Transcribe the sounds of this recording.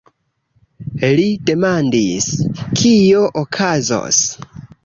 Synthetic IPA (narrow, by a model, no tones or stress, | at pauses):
lide̞mandiskʰio̞ʔokʰazo̰s